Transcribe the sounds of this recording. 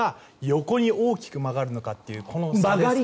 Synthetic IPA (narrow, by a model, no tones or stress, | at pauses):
a | jo̞ko̞ɲ̟io̞ːkʲi̥kɯ̟maɡaɾɯ̟no̞kat̪ːe̞jiɯ̟kʰo̞nomaɡ